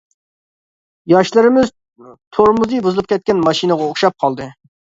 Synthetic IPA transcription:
jɑʃlˠɨɾɪmɪz | t̪ʰoɾmuzɨjbuzɨlˠɨp̚ʲkʲɛt̪̚ʲkʲɛnmɑʃinəʁɑoχʃɑp̚qʰɑlˠd̪ɨ

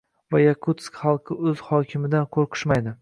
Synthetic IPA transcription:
vajakʰut̪skʲχɑlˠqʰɨɵz̥hɒkʲʰɪmɪd̪anqʰoɾqʰɨ̥ʃmajd̪ɪ

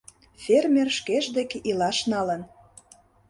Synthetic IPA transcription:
fʲermerʃkeʒd̪ekeʔilɑʃnɑlə̆n

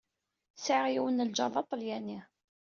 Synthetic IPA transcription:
səʁjiwənːəld͡ʒɑðˤɑt̪ˤːljæni

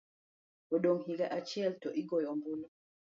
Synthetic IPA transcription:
ɔɗɔŋ̩ɦilaʔat͡ʃiɛltɔʔiɡɔjɔmbunɔ

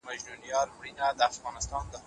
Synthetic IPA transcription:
maʒnunijɑɾpɾinad̪əafɣɑnɪst̪ɑnd̪ə

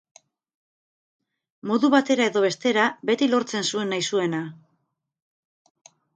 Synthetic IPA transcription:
mo̞ðuβat̪e̞ɾae̞ðo̞βe̞st̪e̞ɾabe̞t̪ilo̞ɾt͡se̞nsue̞nːajsue̞na

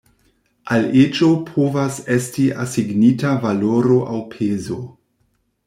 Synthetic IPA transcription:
alet͡ʃopʰovase̞stiʔasiɡnitavaloɾo̞ʔawpʰezo

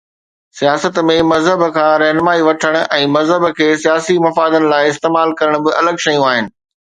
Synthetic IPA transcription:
sijaːsət̪mẽmɐzɦəbkʰãːɾɛɦnəmaːiʋɐʈʰəɽ̃̆ʔɛ̃ːmɐzɦəbkʰeːsijaːsimɐfaːd̪ənɪ̆laːɪɪst̪eːmaːlkɐɾəɽ̃bɪʔɐləɡʃɐjũaːɦɪnɪ̆

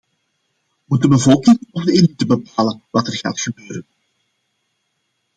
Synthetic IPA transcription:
mut̚d̚dəbəvɔlˠkɪŋɔvdəelitəbəpaːlənʋɑtɛrɣa̰ːtxəbøːɾən

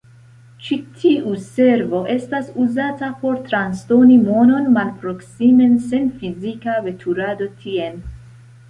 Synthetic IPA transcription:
t͡ʃitʰiuse̞ɾvo̞ʔe̞stasuzatapo̞ɾt̪ɾanstonimo̞no̞nmalpɾo̞ksime̞nse̞nfizikave̞tʰuɾado̞tʰien

